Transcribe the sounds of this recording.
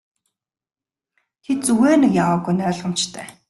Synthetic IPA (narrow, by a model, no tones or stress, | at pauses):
t̪ʰet̪̚t͡suɣeːnɘ̆kjawaːɣujnœːɮʁə̆m̥t͡ɕt̪ʰæː